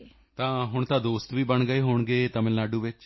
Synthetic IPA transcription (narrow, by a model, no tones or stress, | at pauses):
t̪ãːɦʊɳt̪ãːd̪oːst̪ʋiːbəɳɡəeːɦoːɳɡeːt̪əmɪlnaːɖuːʋɪt͡ʃ